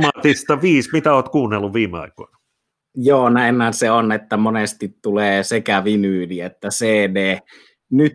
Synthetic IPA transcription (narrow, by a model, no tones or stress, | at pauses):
mɑt̪ist̪ɑʋiːsmit̪æoːt̪kuːnːelːuʋʋiːmeɑ̰iko̰inɑ | joːnæemːænseonet̪ːæmonest̪it̪tuleːsekæʋinyːliet̪ːæseːneː | nyt̪